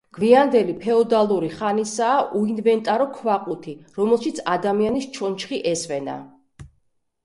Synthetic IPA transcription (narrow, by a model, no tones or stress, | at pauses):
ɡ̥wviand̪ɛlipʰɛɔd̪alˠuɾiχanisaːʔuinvɛnt̪ʼaɾɔkʰvaqʼut̪ʰiɾɔmɛlˠʃit̪sʰad̪amianist͡ʃʰɔnt͡ʃʰχiʔɛsvɛna̰